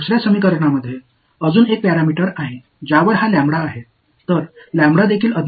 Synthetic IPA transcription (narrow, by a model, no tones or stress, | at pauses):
usɾjasəmik̬əɾɳaməd̪ʱːje | əd͡zuːnek̚pæɾamiʈəɾaɦi | d͡ʑaʋəɾɦaljãmbɽaːɦe | t̪əɾlãmbɽad̪ekʰiːləd̪